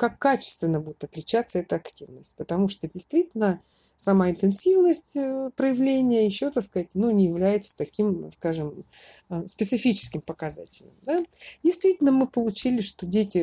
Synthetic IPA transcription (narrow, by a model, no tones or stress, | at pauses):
kakːat͡ɕɪ̥st̪vʲɪnːəbudʲɪt̪ɐt̪lʲɪt͡ɕat̪səɛt̪əɐktʲivnəsʲtʲpət̪ɐmuʂt̪odʲɪjst̪vʲitʲɪlʲnə | sɐmaɪnt̪ɨnsʲivnəsʲtʲpɾəjɪvlʲenʲɪjəjɪɕːot̪akskɐzat̚ʲnunʲɪjɪvlʲæjɪt̪sə̥t̪ɐkʲimskaʐɨm | spʲɪt̪sɨfʲit͡ɕɪ̥skʲɪmpəkɐza̰tʲɪlʲɪ̰md̪adʲɪjst̪vʲitʲɪlʲnəmɨpəlˠʊt͡ɕilʲɪʂt̪o̞dʲetʲɪ